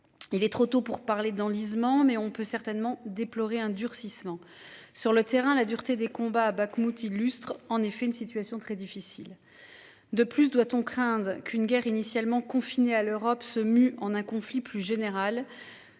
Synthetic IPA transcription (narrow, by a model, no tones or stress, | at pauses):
ilɛt̪χot̪opuʁpaʁled̪ɑ̃lizmɑ̃mɛɔ̃pøsɛʁt̪ɛnmɑ̃d̪eplɔʁeɛ̃d̪yʁsismɑ̃ | syʁlət̪eʁɛ̃lad̪yʁt̪ed̪ekɔ̃baːbakmut̪ilːyst̪χɑ̃nefɛynsit̪ɥasjɔ̃t̪χɛd̪ifisil | d̪əplysd̪wat̪ɔ̃kχɛ̃d̪ʁkʰynɡʲɛʁinisjalmɑ̃kɔ̃finealøʁɔpsəmyɑ̃nɛ̃kɔ̃fliplyʒeneʁal